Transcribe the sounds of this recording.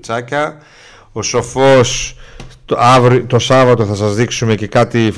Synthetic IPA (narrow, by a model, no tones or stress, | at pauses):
t͡sɐcɐ | o̞so̞fo̞st̪ɐvɾit̪o̞sɐvɐt̪o̞θɐsɐzðiksume̞ce̞kɐt̪if